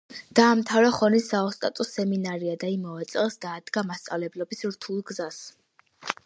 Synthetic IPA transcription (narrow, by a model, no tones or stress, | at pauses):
d̪̥aːmt̪ʰavɾaχɔnisːaɔst̪ʼat̪ʼɔsɛminaɾiad̪aimavɛt̪sʼɛlˠsd̪aːd̪ɡamast̪sʼa̰vlɛblɔbisɾt̪ʰulˠɡzas